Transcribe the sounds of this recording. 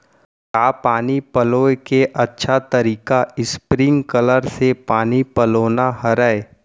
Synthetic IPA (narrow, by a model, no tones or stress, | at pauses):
kaːpaːnipəloːekeʔɐtːʃʰat̪ɐɾiːkaɪspɾɪ̃ŋɡkələɾsepaːnipɐloːnaɦɐɾəe